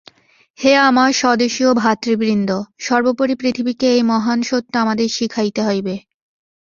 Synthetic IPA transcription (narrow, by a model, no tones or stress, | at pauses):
heamaɾʃɔd̪oʃiobʱat̪ːɾibɾind̪oʃɔɾbopoɾipɾit̪ʰibikeejmɔɦanʃot̪ːoamad̪eɾʃikʰajt̪eɦɔjbe